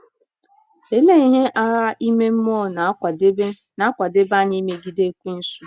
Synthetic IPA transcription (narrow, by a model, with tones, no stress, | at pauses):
e˨le˦i˨ɲe˦ʔa˦ɦa˦i˦me˦m̩˦mɔ˦˨na˨˦˨de˦ | na˦kʷa˨de˦ba˦ɲi˦me˦ɡi˦de˦kʷi˦n̩˦su̥˦